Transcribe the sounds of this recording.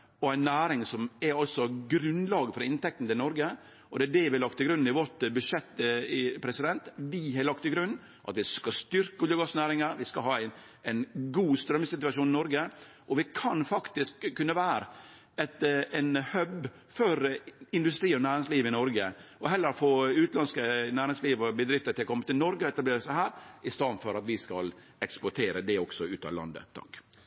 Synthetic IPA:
ɔæɪnːæːɾɪŋsɔmɛɾɑlt̪sɔɡɾʉnlɑːɡəfɔɾɪnt̪ʰɛkt̪n̩t̪ɪlnɔɾɡə | ʔɔd̪ɛæɖɛʋɪlɑk̚t̪ʰːɪlɡɾʉnɪʋɔʈbʉʂɛt̪ːɪpʰɾɛsɪd̪ɛnt̪ʋɪɦɑɾlɑk̚t̪ɪɡɾʉnː | ʔɑ̰t̪ʋɪskɑst̪ʏɾkəɔljəɡɑsnæːɾɪŋəɾʋɪskɑɦɑːæɪn | æɪnɡuːst̪ɾœmːəsɪt̪ʉɑʃuːnɪnɔɾɡə | ʔɔʋɪkʰɑnfɑkt̪ɪskʰːʉnːəʋæːɾə | ɛt̪ɛnhœb | fɔɾɪnd̪ʉst̪ɾiːɔnæːɾɪŋsliːʋɪnɔɾɡəɔɦɛlːəɾfoːʉːt̪lɑnskənæːɾɪŋsliːʋɔbəd̪ɾɪft̪əʈ̪ʰɪlɔkɔmːət̪ɪlnɔɾɡəɔɛt̪ɑbleːɾəsæɪhæːɾʔɪst̪ɑːd̪nfɔɾɑt̪ʋɪskɑ̰l | ɛkspʊʈʰeːɾəd̪ɛɔksɔʉːt̪ɑ̰ʋlɑ̰nd̪ə̰t̪ʰɑ̰k

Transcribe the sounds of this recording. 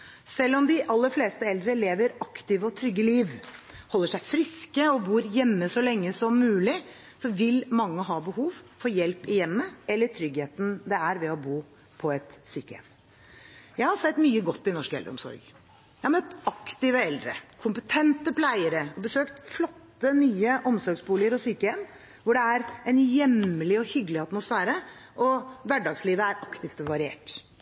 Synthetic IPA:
sɛlːɔmd̪ɪʔɑlːəɾfleːst̪əɛld̪ɾəleːʋəɾɑkt̪ɪʋəɔt̪ʰɾʏɡːəliːʋhɔlːəʂæɪfɾɪskəɔbuːɾjɛmːəsɔlɛŋːəsɔmːʉːlɪ | sɔʋɪlmɑŋːəɦɑːbəhuːʋfɔɾjɛlpɪjɛmːəɛlːəʈʰɾʏɡheːt̪n̩d̪ɛæɾʋɛɔbuː | pʰɔɛt̪syːkəjɛ̰ʋn | jæɪhɑɾsɛt̪ːmyːəɡɔt̪ːɪnɔʂkɛlɾəɔmsɔ̰ɾɡ | jæhɑɾmœt̪ːɑkt̪ɪʋəɛld̪ɾə̰kʰʊmpət̪ʰɛnt̪əpʰlæɪəɾəɔbəsøːkt̪flɔt̪ːənyːəʔɔmsɔɾɡsbuːlɪəɾɔsyːkəjɛmː | ʋʊɖɛæɾɛnjɛməlɪɔhʏɡəlɪɑt̪mʊsfæːɾəʔɔʋæɖɑɡsliːʋəæɾɑkt̪ʰɪft̪ɔʋɑɾɪḛːʈ

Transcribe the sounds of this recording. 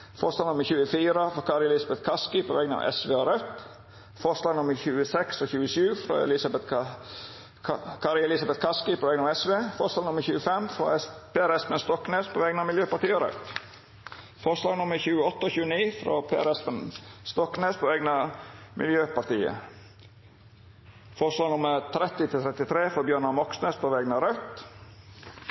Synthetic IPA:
fɔɾʂlɑːɡnʊmːəɾçʉːəfiːɾəfɾoːkʰɑɾɪɛlɪsɑbɛt̪kʰɑskɪpʰoːʋɛɡnɑ̰ʋʔɛ̰sʋeːoɾœt̪ | fɔslɑːɡnʊmːəɾçʉːəsɛksɔçʉːəʃʉːfɾo̰ːɛ̰lɪsɑbɛt̪ | kʰɑɾɪɛlɪsɑbɛt̪̚kʰɑskɪpʰoːʋɛːɡnɑɛsʋeːfɔɾslɑːɡnʊmːəɾçʉːəfɛmfɾo̰pʰeːæɾɛspənst̪ɔkneːspʰoɛːɡnɑmɪljøːpɑɾt̪iːɔɾœ̰t̪ | fɔʂlɑːɡnʊmːəɾçʉːəɔt̪ːəoːçʉːəniːfɾo̰ːpʰeːæɾɛspənst̪ɔkneːspʰoːeːɡnɑmʔɪ̰ljøːpɑɾt̪iːə̰ | fɔʂlɑːɡnʊməɾt̪ʰɾɛt̪ːɪt̪ʰɪt̪ʰɾɛt̪ɪt̪ʰɾeːfɾɑːbjœːɳɑmɔksneːspʰoːʋɛɡnɑɾœt̪

